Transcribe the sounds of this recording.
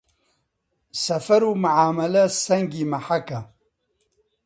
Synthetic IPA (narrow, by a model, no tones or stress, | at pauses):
sɐfɐɾuːmuʕaːmɐlɐsɐŋɡimɐħakɐ